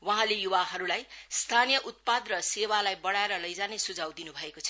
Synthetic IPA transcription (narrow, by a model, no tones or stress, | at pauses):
wʌɦãlejuwaɦʌɾulajst̪ʰanijʌʔut̪̚pad̪rʌsewalajbʌɽaeɾʌlʌjd͡zanesud͡zʱawd̪inubʱʌekot͡sʰʌ